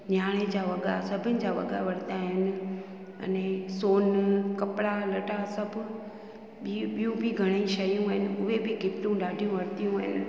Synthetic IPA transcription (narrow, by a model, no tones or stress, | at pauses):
ɲaːɽ̃ed͡ʑaːʋɐɠa̰sɐbʱɪnɪ̆d͡ʑaːʋɐ̰ɠa̰ʋɐɽ̤nt̪aɦɪnɪ̆ | ɐ̰nẽsoːnkɐpɪɽalɐʈasɐbʱʊ | ɓijũbɪɡʱɐɽ̃ĩʃɐjũəɦɪnɪ̆ʊɦebɪɡʱɪpʈ̪ũɗaːɖʱijũʋɐɽt̪ijũɦɪnɪ̆